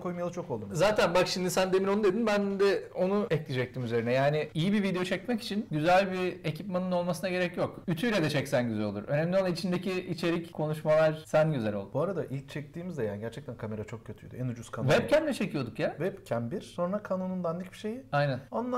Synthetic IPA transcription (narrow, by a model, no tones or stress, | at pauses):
kʰo̞jmajalˠɯt͡ʃʰo̞ko̞lˠd̪umzaːt̪ʰænbakʃimnd̪isænd̪emino̞nud̪e̞d̪inbænd̪ɛo̞nuɛclʲid͡ʒɛc̚t̪ʰiːmyzeɾinɛjaːnɪijibivid̪e̞jo̞t͡ʃʰɛcmɛci̥t͡ʃʰinɟyzælʲbiecʰipmanɯno̞lˠmasɯnaɟe̞ɾɛcjo̞kyt̪ʰyjlʲeɛd̪ɛt͡ʃʰɛcsænɟyzɛlʲo̞lˠuɾʔø̞nɛmlʲionˠait͡ʃʰind̪e̞ciit͡ʃʰe̞ɾickʰo̞nuʃmalˠaɾ̥sænɟyzælʲolˠubuaɾad̪aʔilʲc̚t͡ʃʰɛc̚t̪ʰiːmizd̪ɛjaɟæɾt͡ʃʰɛct̪ʰænkʰame̞ɾat͡ʃʰo̞k̚cʰøt̪ʰyjd̪yenud͡ʒuskʰanvɛp̚cʰænʲɛt͡ʃʰe̞cʰijo̞d̪ukjavɛpcʰænbiɾ̥so̞nɾakʰanonund̪and̪icbiʃe̞jiajnænanːˠa